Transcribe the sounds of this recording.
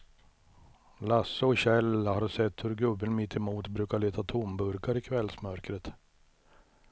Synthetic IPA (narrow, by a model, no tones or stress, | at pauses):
lasːəɔɕɛlhaɾsɛt̪ːhɵɾɡɵbːənmɪt̪ʰːɛmuːt̪bɾʉ̟ːkaɭeːt̪ʰat̪ʰʊmbɵɾkaɾɪkʰvɛlsmœɾkɾət̪